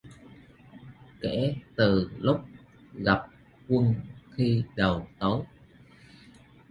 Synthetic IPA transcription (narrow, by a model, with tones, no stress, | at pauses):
kɛ̰˧˥t̪ɨ˨˩lʊ˦˥p̚ | ɣa˨˩p̚ | kwə˧nxi˧ɗə˨˩wt̪ə˨˦j